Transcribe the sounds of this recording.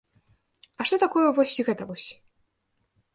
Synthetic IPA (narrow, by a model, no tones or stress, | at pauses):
ɐʂt̪ɔt̪akɔjɛvɔsʲiɣɛt̪ɐvɔsʲ